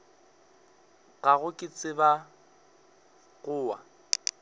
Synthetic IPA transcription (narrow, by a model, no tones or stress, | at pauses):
ɣaɣʊkʼɪt͡sʼɪba | ɣʊːwa̰